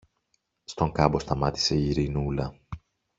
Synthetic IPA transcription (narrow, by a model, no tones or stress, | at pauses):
st̪o̞ŋkɐbo̞st̪ɐmɐt̪i̥se̞iɾinulɐ